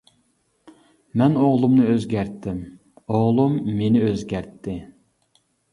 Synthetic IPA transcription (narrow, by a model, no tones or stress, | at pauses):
mɛnoʁlˠumnɨøzɡʲæɾt̪ːɪm | oʁlˠumːenɪøzɡʲæɾt̪ʰːɪ